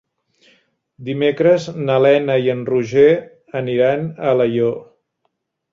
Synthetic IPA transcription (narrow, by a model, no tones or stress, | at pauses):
d̪imekɾəznəlɛnəiənruʒe | əniɾanələjo